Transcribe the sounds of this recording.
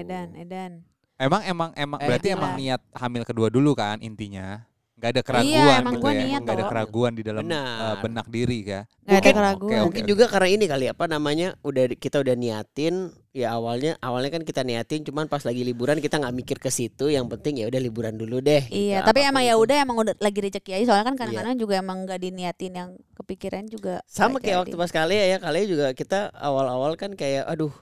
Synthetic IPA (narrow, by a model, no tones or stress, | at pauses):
edanedan | emaŋemaŋemaŋəɾat̪iemaŋniat̪̚hamɪlkəduadulukaːnḭnt̪iɲa | ŋɡaːdakəɾaɡuanmakit̪iaŋɡaadakəɾaɡuandidalabnaəbənak̚diɾika | mɡaukɪnkəɾaɡumuŋkɪd͡ʒuɡakarnainikaliapanamaɲaudakit̪audahniat̪ɪn | jaːwalɲaʔawalɲakankit̪aniat̪ɪnt͡ʃumanpaslaɡilibuɾankit̪aŋɡaʔmikɪrkəsit̪ujaŋpənt̪ɪŋjaudahlibuɾanduludɛhijat̪apiemaŋjaudaɦemaŋudlaɡiɾəd͡ʒəkijaisoalɲakankanakanad͡ʒuɡaemaŋɡaʔdiniat̪ɪnjaŋkəpikiɾand͡ʒuɡasamakajaʔwak̪̚upasə̥kaliajakalid͡ʒuɡakit̪aa̰walawalkankajaʔadʊh